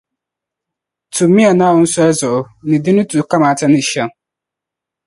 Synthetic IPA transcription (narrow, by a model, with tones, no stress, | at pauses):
tʰu˨mːĩ˦a˨nã˦ʊ˦n̩˦sɔ˦ɛ˦zʊ˨ʔʊ˨ | nɪ̃˨dɪ˦nʊ̃˦tʰu˨˦ka˦maː˨tʰa˦nɪ̃˨ɕɛ˦˨ŋ